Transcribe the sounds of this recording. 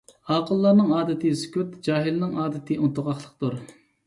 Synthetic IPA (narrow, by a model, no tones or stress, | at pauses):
ɑːqʰəlˠːɑːnɨŋɑːd̪ɪt̪ʰɨskʲyt̪d͡ʒɑːɦilnɪŋɑːd̪ɪt̪ʰɨʔunt̪ʊʁɑχlˠəq̚t̪uɾ